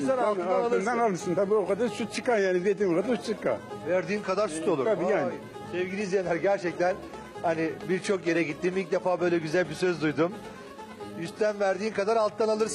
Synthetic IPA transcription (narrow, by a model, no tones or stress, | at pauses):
aɾaaalalˠɯɾd̪analˠɯsɯnt̪ʰabiːokad̪aɾsut̪̚t͡ʃʰɯkanjaːnibiet̪imkad̪aut̪t͡ʃʰɯkːa̰nvæɾd̪iːnkʰad̪aɾsut̪ʰo̞lˠuɾabijaːn | sɛvɡinʲizjanʲːæɾɟæɾt͡ʃʰɛc̚t̪ʰæn | hanibiɾt͡ʃʰo̞kje̞ɾɛɟit̪ːimilc̚d̪e̞faːbø̞jlʲɛɟyzælʲbisøzd̪ujd̪um | jyst̪ʰænvæɾd̪iːnkʰad̪aɾalˠt̪ːanalˠɯɾs